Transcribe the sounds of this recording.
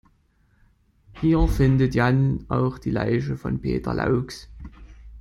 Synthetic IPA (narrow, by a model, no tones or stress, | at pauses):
hiːɐfɪndətjanʔaʊxd̥iːla̰ɪʃ̬əfɔ̰npʰḛːtʰɐ̰lʔa̰ʊks